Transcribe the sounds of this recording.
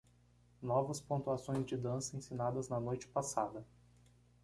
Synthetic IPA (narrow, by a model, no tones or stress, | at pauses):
nɔvɐspõnt̪uasõj̃zd͡ʒɪd̪ɐ̃sɐẽsinad̪ɐznɐnojt͡ʃɪ̥pasa̰d̪ɐ